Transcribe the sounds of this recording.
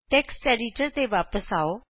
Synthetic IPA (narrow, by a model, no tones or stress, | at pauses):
ʈɛːksʈɛːɾiːʈəɾt̪eːʋaːpəsaːoː